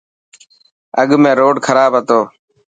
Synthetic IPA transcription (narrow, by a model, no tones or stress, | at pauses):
əɠmẽːɾoːɖkʰəɾaːbɦət̪oː